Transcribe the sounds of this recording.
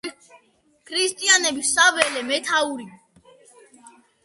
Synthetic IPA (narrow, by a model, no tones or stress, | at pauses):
kʰɾist̪ʼianɛbisavɛlɛmɛt̪ʰauɾi